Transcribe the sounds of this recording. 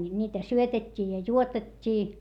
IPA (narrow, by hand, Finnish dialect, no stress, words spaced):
nʲiːtæ syøtetʲːiː jɑ juotetʲːiː